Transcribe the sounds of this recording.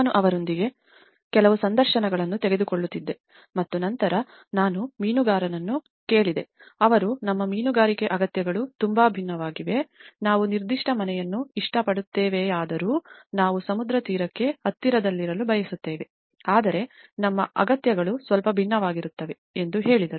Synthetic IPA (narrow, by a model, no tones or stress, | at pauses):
aːnuʔɐʋɐɾo̞nd̪iɡe̞ | kɛlɐʋusɐnd̪ɐɾʃɐnɐɡɐɭɐnːut̪ɛɡe̞d̪ukoɭːut̪ːid̪ːe̞ | mɐt̪ːunɐnt̪ɐɾɐ | naːnumiːnuɡaːɾɐnɐnːu | ke̞ːɭid̪e̞ | ɐʋɐɾunɐmːɐmiːnuɡaːɾikeʔɐɡɐt̪jɐɡɐɭut̪umbaːbʱinːɐʋaːɡiʋe̞naːʋuniɾd̪iʂʈɐmɐnɛjɐnːuiʂʈɐpɐɽut̪ːeːʋeaːd̪ɐɾuːnaːʋusɐmud̪ɾɐt̪iːɾɐkːe̞ɦɐt̪ːiɾɐd̪ɐlːiɾɐlubʱɐjɐsut̪ːeːʋe̞ | aːd̪ɐɾe̞nɐmːɐɐ̰ɡɐt̪jɐɡɐɭusʋɐlpɐbʱinːɐʋaːɡiɾut̪ːɐʋe̞ | end̪uɦe̞ːɭid̪ɐɾu